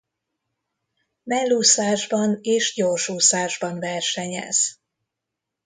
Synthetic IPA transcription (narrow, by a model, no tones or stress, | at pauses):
mɛlːuːsaːʒbɒneːʃɟorʃuːsaːʒbɒnvɛrʃɛɲɛ̰z̥